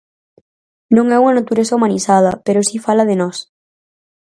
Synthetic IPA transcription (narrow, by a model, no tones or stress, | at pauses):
nõŋɛuŋanat̪uɾesaumãnisað̞ɐpeɾosifalaðenɔs